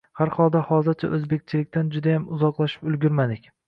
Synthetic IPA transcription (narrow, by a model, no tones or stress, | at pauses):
haɾhɒlˠd̪ahɒzˠzɪɾt͡ʃʰaʔɵzbe̞k̚ʲt͡ʃʰɪlɪkʲt̪ʰand͡ʒʊd̪ajamʊzɒqlˠaʃɪ̥pʊlˠɡʲʊɾmad̪ɪkʲ